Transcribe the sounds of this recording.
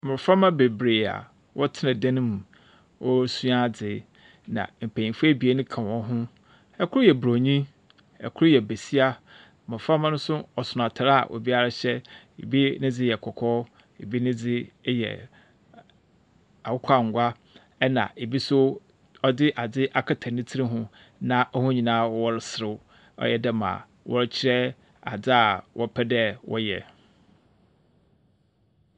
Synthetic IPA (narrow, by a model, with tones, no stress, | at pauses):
mʊ̃˨fɾa˦mã˦be˨bɾeː˨a̰˨ | wʔɔ˦tʰɪ˦nã˨dã˦nʊ̃˦mũ˨ | wʔɔ˦sũ˦a˦˨d͡zɪ˨ | nã̰˨m̩˨pʰæ̃˨ĩ˨fu˦ɛ˦bi˨e˦nʊ̃˦kʰã˨wɔ̃˦ɦʊ̃˦ | ɛ˨kʰʊ˦ɾʊ˦jɛ˨bɾo˨ɲĩ˦ | ɛ̰˨kʰʊ˦ɾʊ˦jɛ˨be˨si˦a˦ | mʊ̃˨fɾa˦mã˦nʊ̃˦sʊ˦ɔ˨sʊ˨n˨ã˨tʰɾa˦a̰˨ʔo̰˨bi˦a˦ɾa˦ɕɛ˦ | ḛ˨bi˦nɪ̃˦d͡zɪ˦jɛ˨kʰɔ˨kʰɔː˦ | e˨bi˦nɪ̃˦d͡zɪ˦jɛ̰˨ | a˨wʊ˦kʷʰa˦˨ŋ̩˨ɡʷa˦ | ɛ˦nã̰˨ʔe˨bi˦sʊ˦ | ɔ˦dɪ˦ʔa˨d͡zɪ˦ʔa˨kʰa˨tʰã˨nɪ̃˦tʰi˦ɾi˦ɦʊ̃˦ | nã˦ʔɔ˦hʊ̃˦ɲĩ˨nã˦wɔ˦wɔ˦ɾɪ˦sɪ˨ɾɪ˦ | ɔ̰˦jɛ˨dɛ˦mã̰˨ | wʔɔ˦ɾt͡ɕʰɪ˦ɾɛ˦ | a̰˨d͡zɪ˦a˨wʔɔ˦pʰɛ˦dɛ˦wɔ̰˦jɛ̰˨